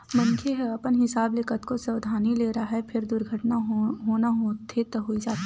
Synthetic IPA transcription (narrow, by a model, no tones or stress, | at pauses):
mɐ̃nkʰeɦɛɐpənɦɪsaːblɪkət̪kosɐwd̪ʱaːnileːɾaɦɛpʰɪɾd̪ʊɾɡʱəʈnaɦoːnaɦot̪ʰet̪ɐɦoid͡ʒaːt̪i